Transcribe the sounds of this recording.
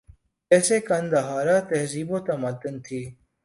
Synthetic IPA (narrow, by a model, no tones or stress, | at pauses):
eːseːkənd̪aɦaːɾaːt̪ɐɦziːboːt̪aməd̪ənt̪ʰiː